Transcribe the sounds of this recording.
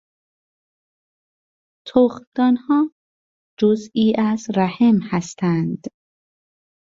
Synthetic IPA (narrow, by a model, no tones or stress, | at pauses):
t̪ʰoxd̪̥ɒːnhɒː | d͡ʒoziːʔæzɾæhemhæst̪ʰænd̪̥